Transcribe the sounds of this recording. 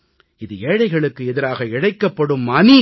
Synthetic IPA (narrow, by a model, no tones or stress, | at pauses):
ɪðɯeːɽɐɪɣɐɭɯkːɯɛðɪɾaːɣɐɪɽɐɪkːɐpːɐɽɯmɐni